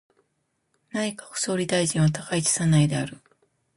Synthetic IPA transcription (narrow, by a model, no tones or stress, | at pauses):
naɲ̟ikḁɸɯ̟̥so̞ːɾʲid̪aiʑĩɰ̃βat̪akait͡ɕi̥sanaid̪e̞aɾɯ̟